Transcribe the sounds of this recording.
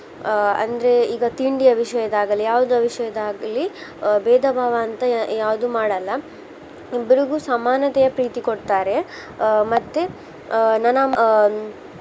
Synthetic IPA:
ɐ̰nd̪ɐɾe̞iːɡɐt̪iɳɖijɐʋiʂɐjɐd̪aːɡɐlijaːʋud̪uɐʋiʂɐjɐd̪aːɡɐlːibɛːd̪ʱɐbʱaːʋɐːnt̪ɐjaːʋud̪umaːɽɐlːɐ | ibːɐɾiɡusɐmaːnɐt̪ɛjɐpɾiːt̪ikoɽt̪aːɾe̞ | mɐt̪ːe | nɐnɐ

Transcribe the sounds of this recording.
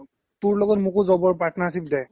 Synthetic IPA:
tuɹlɔɡɔtmukuzɔbɔɹpɹatʰɔnaːsibdɛ

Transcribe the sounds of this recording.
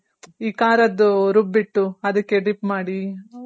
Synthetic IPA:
iːkaːɾɐd̪ːuɾubːiʈːuɐd̪ɐkːeɖipmaːɽi

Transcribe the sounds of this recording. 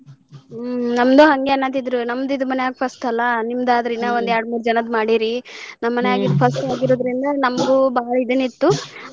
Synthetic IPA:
nɐmd̪uɦɐŋɡeɐnːaːt̪id̪ɾunɐmːd̪id̪mɐnejaːɡpʰɐsʈɐlːɐnimd̪aːd̪ɐɾinːɐond̪aːɾɽmuːɾd͡ʒɐnɐd̪maːɽiɾinɐmːɐnejaːɡid̪pʰɐsʈaːɡiɾoːd̪ɾind̪ɐnɐmɐɡuːbaːɭɐid̪enit̪ːu

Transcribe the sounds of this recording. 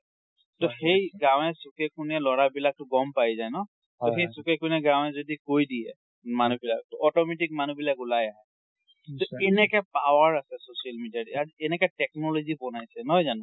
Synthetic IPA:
tɔxejɡãw̃ɛsukɛkʰunɛlɔɹabilak̚tʊɡɔmpajzajnɔ | tɔxejsukɛkunɛɡãw̃ɛzodikojdijɛ̰ | manubilak̚tɔɔtɔmɛtik̚manubilakulajaɦɛ | ttɔenɛkɛpawaɹasɛsosialmidiatiaziɛnɛkɛtɛk̚nɔlozibɔnajsɛnɔɦjzanʊ

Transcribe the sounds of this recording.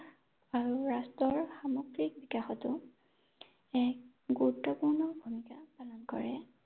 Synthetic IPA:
aɹuɹastɔɹxamɔɡɹik̚bikaxɔtʊ | ɛk̚ | ɡuɹutːɔpuɹnɔbʱumikapalɔnkɔ̰ɹɛ

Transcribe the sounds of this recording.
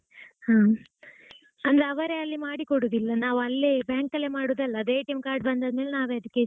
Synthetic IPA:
haː | ɐnd̪ɾeɐʋɐɾeɐlːimaːɽikoɽuːd̪ilːɐnaːʋɐlːebjaːŋkɐlːemaːɽuːd̪ɐlːɐːd̪eːʈɐmkaːɾɖ̚bɐnd̪ɐd̪meːlenaːʋeɐd̪ɐkːe

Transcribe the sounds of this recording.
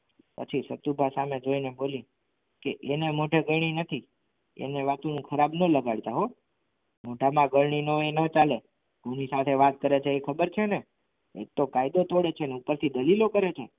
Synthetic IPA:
pə̰t͡ʃʰisət̪ubʱasamed͡ʒoineboli | keʔenemoʈʰeɡəɽ̃inət̪ʰi | ḛneʋat̪unũkʰəɾabnələɡaɽt̪aɦo | moʈamãɡəɭɳinoenət͡ʃale | ɡunisat̪ʰeʋat̪̚kəɾet͡ʃʰeːkʰəbəɾt͡ʃʰene | ḛk̚t̪okajd̪ot̪oɽet͡ʃʰeneupəɾt̪ʰid̪əlilokəɾet͡ʃʰe

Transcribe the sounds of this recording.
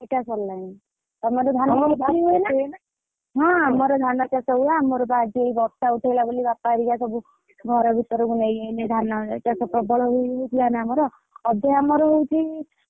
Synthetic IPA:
eʈasɔlːajna | t̪amɔɾɔd̪ʱanɔmɔɾd̪ʱaiɦuenana | ɦɔ̃amɔɾɔd̪ʱanɔkasɔbuaːmɔɾɔbad͡ʒiejbɔɾsauʈʰajlabolibapaɾikasɔbu | ɡʱɔɾɔbʱit̪ɔɾɔkunejened̪ʱanɔkasɔpɾɔbɔɭɔɦujowt̪ʰilanamɔɾɔː | d̪ʱajamɔɾɔɦowt̪ʰi

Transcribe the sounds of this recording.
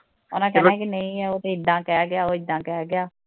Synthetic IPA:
ɔːnãːk̬ɛːaɛ̃ːkinəĩːɛːoːt̪eːɪd̪ãːkɛːɡɪjaːoːɪd̪ːãːkɛːɡɪjaː

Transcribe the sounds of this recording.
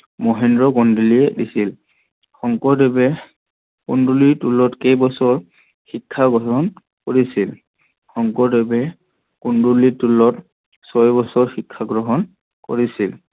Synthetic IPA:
mɔɦɛndɹɔɡɔndiliɛdisil | xɔŋkɔdebɛ | kundulitulɔtkejbɔsɔɹ | xikʰːaɡɹɔɦɔn | koɹisil | xɔŋkɔɹdebɛ | kundulitulɔt | sɔjbɔsɔɹxikʰːaɡɹɔɦɔn | koɹisil

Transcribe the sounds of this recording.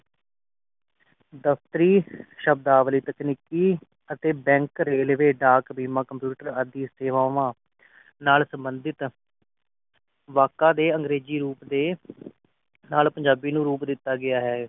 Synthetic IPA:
d̪əft̪əɾiːʃəb̚d̪aːʋliːt̪əkniːkiː | ət̪eːbɛ̃ːŋkɾeːlʋeːɖaːkbiːmaːkəmpjuːʈəɾəd̪iːseːʋaːʋãː | naːlsəmbənd̪ɪt̪ | ʋaːkãːd̪eːəŋɡɾeːziːɾuːpd̪eː | naːlpəɲd͡ʒaːbiːnũːɾuːpd̪ɪt̪ːaːɡɪaːɦɛː

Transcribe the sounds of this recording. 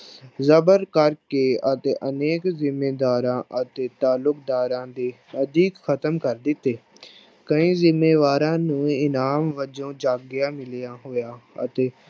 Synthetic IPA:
zəbəɾkəɾkeːət̪eːʔəneːkzɪmeːd̪aːɾãːʔət̪eːt̪aːlːʊkd̪aːɾãːd̪eː | əd̪iːkxʰət̪əmkəɾd̪ɪt̪ːeː | kəĩːzɪmːeːʋaːɾãːnũːɪnaːmʋəd͡ʒõːd͡ʒaːɡjaːmɪlijaːɦoːjaːə̰t̪eː

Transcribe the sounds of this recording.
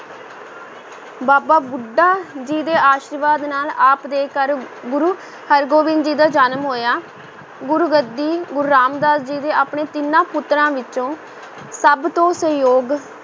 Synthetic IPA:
baːbaːbʊɖːaːd͡ʒiːd̪eːʔaːʃəɾʋaːd̪naːlaːpd̪eːkəɾ | ɡʊɾuː | həɾɡoːʋɪ̃nd̪d͡ʒiːd̪aːd͡ʒaːnmɦoːjaː | ɡʊɾuːɡəd̪ːiːɡʊɾuɾaːmd̪aːd̪d͡ʒiːd̪eːaːpɳeːt̪ɪnãːpʊt̪ːɾãːʋɪt͡ʃõː | səbt̪õːsəjoːɡ

